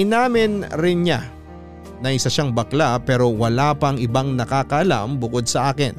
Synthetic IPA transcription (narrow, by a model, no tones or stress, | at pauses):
ɪnaːmɪnɾɪnɲa | nɐʔɪsaʃaŋbɐklapɛːɾo̞wɐlaːpɐŋɪbaŋnɐkaːkɐʔɐla̰mbʊko̞d̪̚sɐʔaːkɪn